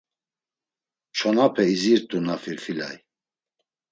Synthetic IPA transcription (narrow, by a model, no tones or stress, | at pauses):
t͡ʃʰɔnapʰɛiziɾt̪ʼunafiɾfila̰j